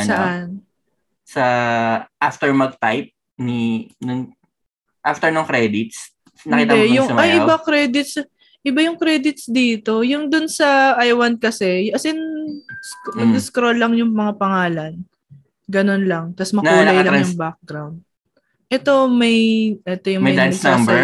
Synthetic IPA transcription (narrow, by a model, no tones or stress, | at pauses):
sɐʔan | sɐʔaft̪ɛɹmɐɡ̚t̪ajp̚ | ninʊŋ | ʔaft̪ɛɹnʊŋkɾɛd̪ɪt̪̚s | nɐkit̪ɛjʊsɐmɐjʔɪbakɾɛd̪ɪt̪̚s | ʔɪbajʊŋkɾɛd̪ɪt̪̚sd̪iːt̪o̞jʊŋd̪ʊnsɐʔɐjwɐnt̪̚kɐsɛjʔɐsɪnsmɐɡskɾolːɐŋjʊŋmɐŋapɐŋaːlɐn | ɡɐno̞nlɐŋt̪ɐsmɐnuh̪ɐjɐljʊŋbak̚ɡɾawnd̪̚ | ʔɛt̪o̞mɐjʔɛt̪ojʊŋmɐjɐd̪anɐɡsambɛɹ